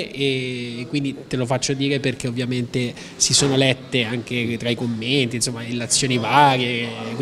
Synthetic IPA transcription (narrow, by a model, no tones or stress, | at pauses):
ekːwind̪it̪elofat͡ʃːod̪iːɾeperk̟eovːjament̪e | sisoːnolɛt̪ːeaŋk̟et̪ɾaikomːent̪insomːailːat̪sːjoːnivaɾjek